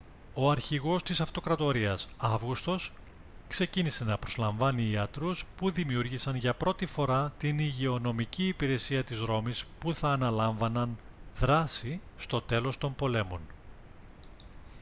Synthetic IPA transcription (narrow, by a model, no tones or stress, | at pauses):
o̞ɐɾçiɣo̞st̪isɐft̪o̞kɾɐt̪o̞ɾiɐsɐvɣust̪o̞s | kse̞cinise̞nɐpɾo̞zlɐɱvɐniːɐt̪ɾuspuðimiuɾʝisɐnʝɐpɾo̞t̪ifo̞ɾɐt̪iniʝeo̞no̞miciːpiɾe̞siɐt̪izɾo̞mispuθɐːnɐlɐɱvɐnɐn | ðɾɐsist̪o̞t̪e̞lo̞st̪o̞mpo̞le̞mo̞n